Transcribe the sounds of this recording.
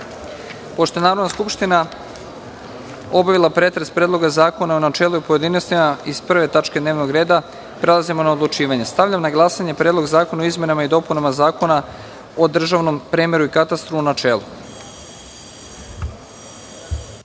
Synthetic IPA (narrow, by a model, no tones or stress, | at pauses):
po̞ʃt̪o̞enaːɾod̪naskupʃt̪ina | o̞baʋilˠapɾe̞t̪ɾespɾed̪lˠo̞ɡazaːko̞naunat͡ʃe̞ːluipo̞je̞d̪inost̪imaizpr̩ʋe̞t̪at͡ʃke̞d̪neːʋno̞ɡɾe̞ːd̪a | pɾe̞lˠazimo̞naod̪lˠut͡ʃiːʋaɲe̞st̪aʋʎamnaɡlˠasaɲe̞pɾed̪lˠo̞ɡzaːko̞naoizmje̞namaid̪o̞punamazaːko̞na | od̪r̩ʒaʋno̞mpɾeːmeɾuikat̪ast̪ɾuunat͡ʃe̞ːlṵ